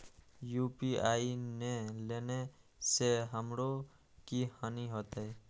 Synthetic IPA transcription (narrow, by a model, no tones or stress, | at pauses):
juːpiaːineleːne | seɦəmɾo | kihaniɦot̪e